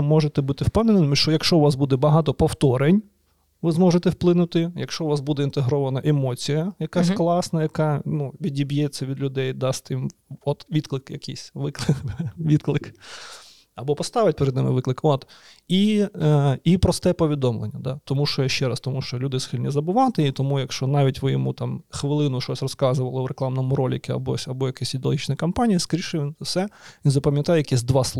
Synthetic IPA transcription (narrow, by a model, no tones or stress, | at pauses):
mɔʒet̪ɛbut̪ɪwpɛwnenɪmʲiʃt͡ʃɔjɐkʃt͡ʃɔʋɑs̬bud̪ɛbɐɦɑt̪ɔpɔwt̪ɔɾenʲ | ʋɪzmɔʒet̪ɛwplˠɪnʊt̪ɪjɐkʃt͡ʃɔwʋɑsbud̪ɛint̪eɦɾɔʋɐnɐʔemɔt͡sʲijɐjɐkasʲklˠɑsnɐjɐkɑnuʋʲidʲibʲjɛt͡sʲːɐʋʲid̪lʲʊd̪ɛjd̪ɑstʲt̪ɪmɔt̪ʋʲit̪klˠɪkjɐkɪsʲʋɪklˠɪʋʲid̪klˠɪk | ɐbɔpɔst̪ɑʋɪt̚ʲpeɾɛd̪nɪmɪ̰ʋɪklˠɨkɔt̪ | i | ipɾɔst̪ɛpɔʋʲid̪ɔmlˠḛnʲːɐd̪at̪ɔmuʃt͡ʃɔjʃt͡ʃɛɾɐst̪ɔmuʃt͡ʃɔlʲud̪ɪsxilʲnʲɛzɐbʊʋɑt̪ɪit̪ɔmujɐkʃt͡ʃɔnɑʋʲitʲʋɪjɔmut̪ɑmxʋɪlˠɪnʊʃɔsʲrɔskɑzʊʋɐlˠɔʊɾeklˠɑmnɔmʊɾɔlʲikʲɪɐ̰bɔsʲɐbɔjɐkɛsʲid̪eɔlˠɦit͡ʃnɪkɐmpanʲiiskɾʲiʃɪʋʲinsɛinzɐpɐmʲjɐt̪ɑjɛjɐkɛsʲd̪ʋɑslˠ